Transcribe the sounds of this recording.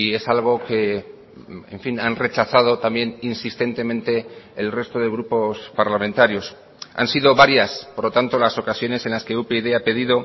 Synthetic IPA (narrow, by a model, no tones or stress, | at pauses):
e̞salɣ̞o̞ke̞ | ḛɱfinanre̞t͡ʃaθað̞o̞t̪ambje̞ninsist̪e̞nt̪e̞mẽ̞nt̪e̞ːlre̞st̪o̞ð̞e̞ɣ̞ɾupo̞spaɾlamẽ̞nt̪aɾjo̞s | a̰nsiðo̞βaɾjaspoɾlo̞t̪ant̪o̞laso̞kasjo̞ne̞se̞nlaske̞upeðe̞ape̞ðiðo̞